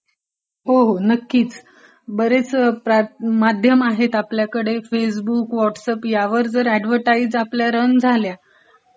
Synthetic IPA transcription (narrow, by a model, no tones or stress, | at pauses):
ɦoɦonəkːiːt͡s | bəɾet͡spɾamad̪ʱjəmaɦet̪apljakəɽefes̬bukʋɔʈsəpjaʋəɾd͡zəɾɛɖʋ̤əʈaid͡zapljaɾənd͡zʱalja